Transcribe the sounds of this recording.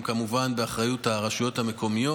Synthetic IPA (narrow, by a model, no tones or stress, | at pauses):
mkamuvanbe̞aχʁajuthaʁaʃujo̞thame̞ko̞mijo